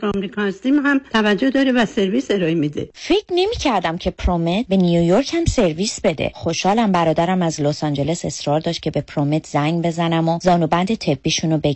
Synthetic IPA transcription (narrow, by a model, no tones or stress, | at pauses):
ɒmɾikʰɑnst̪imɦæmt̪ʰævæd͡ʒːohd̪ɒːɾevæse̞ɾviːse̞ɾɒːemid̪ḛfe̞cɾne̞miːcʰæɾd̪æmcʰe̞pʰɾomet̪̚be̞nijojoɾcʰhæmse̞ɾvisbe̞d̪ḛχoʃhɒːlæmbæɾɒːd̪æɾæmæzlosɒnd͡ʒe̞le̞se̞sɾɒːɾd̪ɒːʃt̪̚cʰe̞be̞pʰɾomet̪ʰzæŋɡbe̞zænæmozɒːnubænd̪et̪ʰe̞bːiːʃunobe